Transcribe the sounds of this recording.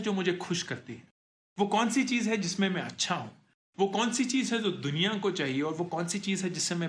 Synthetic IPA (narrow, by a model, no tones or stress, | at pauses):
d͡ʒoːmʊd͡ʒʱexʊʃkɐɾt̪iɛ | ʋoːkɔːnsit͡ʃiːzɦɛd͡ʒɪsmẽmɛ̃ɐtːʃʰaɦṵ̃ː | ʋoːkɔːnsit͡ʃiːzɦɛd͡ʒoːd̪ʊnijakot͡ʃaːɦieɔːɾʋoːkɔːnsit͡ʃiːzɦɛd͡ʒɪsːẽmɛ̃